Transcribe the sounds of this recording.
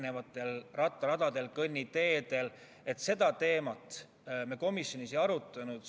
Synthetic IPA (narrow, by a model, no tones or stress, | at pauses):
nevɑt̪ːˑe̞lrɑt̪ːˑɑɾɑd̪̥ɑd̪e̞lkɤnʲːit̪e̞ːd̪̥e̞l | e̞t̪ːˑse̞d̪̥ɑt̪e̞ːmɑt̪ˑ | meko̞misjo̞nisejɑɾut̪ˑːɑnud̪̥